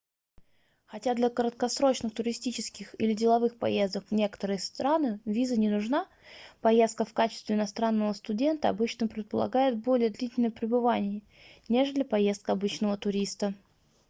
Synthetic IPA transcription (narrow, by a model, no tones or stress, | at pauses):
xɐtʲad̪lʲəkəɾət̪̚kɐsɾo̞t͡ɕnɨxt̪ʊɾʲɪsʲtʲit͡ɕɪskʲɪxḭlʲɪdʲɪlˠɐvɨxpɐ̰je̞zd̪əkvnʲe̞kə̥t̪əɾɨjəst̪ɾanɨvʲizənʲɪnʊʐna | pɐje̞st̪kəfkat͡ɕɪst̪vʲɪɪnɐst̪ɾanːəvəst̪ʊdʲe̞nt̪əɐ̰bɨt͡ɕnəpɾʲɪt̪̚pəlˠɐ̰ɡajɪt̪̚bo̞lʲɪjəd̪lʲitʲɪlʲnəjpɾʲɪbɨvanʲɪjə | nʲeʐɨd̪lʲəpɐje̞st̪̚kəɐbɨt͡ɕnəvət̪ʊɾʲist̪ə